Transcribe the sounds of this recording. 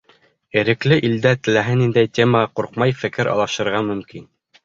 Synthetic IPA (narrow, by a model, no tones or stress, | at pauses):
ɘ̆ɾɘ̆klɘʔild̪æt̪ɘ̆læɦɘnind̪æjt̪ʲemɑquɾq̚mɑjfɘ̆kɘɾʔɑ̰lˠɑʃɤ̆ɾʁɑmɵ̆mkin